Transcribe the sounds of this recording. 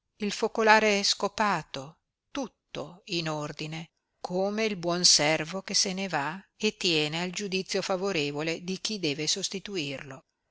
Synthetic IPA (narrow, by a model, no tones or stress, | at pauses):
ilfokolaːɾeɛskopaːt̪o | t̪ut̪ːoinord̪ine | kʰoːmeilbwɔnsɛrvokesenevaet̪ːjɛːneald͡ʒud̪it̪sːjofavoɾeːvoled̪ik̟id̪ɛːvesost̪it̪uirlo